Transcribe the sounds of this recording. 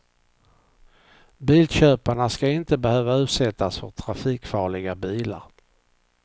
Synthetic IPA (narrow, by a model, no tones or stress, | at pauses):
biːlɕøːpaɳaskaɪnt̪əbɛhøːvaʉ̟ːt̪sɛt̪ːasfœʈ̪ʰɾafiːkfɑːɭɪɡabiːla̰ɾ